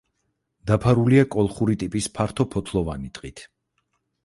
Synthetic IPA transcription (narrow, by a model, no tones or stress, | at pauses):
d̪̥apʰaɾuliakʼɔlˠχuɾit̪ʼipʼispʰaɾt̪ʰɔpʰɔt̪ʰlˠɔvanit̪ʼqʼit̪ʰ